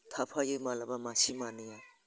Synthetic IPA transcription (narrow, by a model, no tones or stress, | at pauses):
tʰapʰajɯmalabamasimanɯja